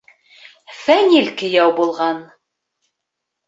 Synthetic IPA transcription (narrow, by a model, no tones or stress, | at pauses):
fænʲilʲkɘ̆jɑwbulˠʁɑn